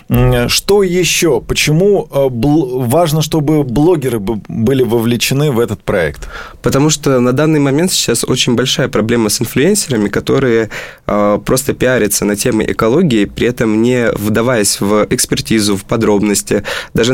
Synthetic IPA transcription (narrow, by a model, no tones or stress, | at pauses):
ʂt̪ojɪɕːo̞pət͡ɕɪmublvaʐnəʂt̪o̞bɨblˠoɡʲɪɾɨbɨbɨlʲɪvəvlʲɪt͡ɕɪnɨvɛt̪ət̪̚pɾɐɛ̰kt̪pət̪ɐmuʂt̪onɐd̪anːɨjmɐmʲe̞nt̪sʲt͡ɕːaso̞t͡ɕɪnʲbɐlʲʂajəpɾɐblʲe̞məsɨnflʲʊenʲsʲɪɾəmʲɪkɐt̪o̞ɾɨjə | pɾʔo̞st̪əpʲɪaɾʲɪt̪sənɐtʲe̞mɨ̰ʔɪ̰kɐlˠo̞ɡʲɪɪpɾʲɪɛt̪əmnʲɪvd̪ɐvajəsʲvʔɪkspʲɪrtʲizʊfpɐd̪ɾo̞bnəsʲtʲɪd̪aʐɨ